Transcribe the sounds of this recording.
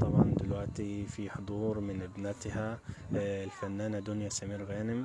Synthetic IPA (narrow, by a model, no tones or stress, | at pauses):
t̪ˤɑbʕɑ̰nd̪ɪlwaʔt̪ifiħʊd̪ˤuːɾmɪnʔɪbnɪt̪ha | ɪlfanːaːnad̪ʊnjasamiːɾɣaːnɪm